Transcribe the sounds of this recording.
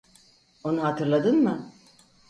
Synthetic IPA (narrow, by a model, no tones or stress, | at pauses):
onuɦat̪ʰɯɾlˠad̪ɯnmɯ